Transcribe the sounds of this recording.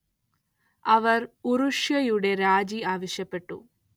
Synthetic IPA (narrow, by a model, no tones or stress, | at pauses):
ɐʋɐruɾuʂjɐjuɽe̞ɾaːd͡ʑiaːʋɐɕjɐpːe̞ʈːṵ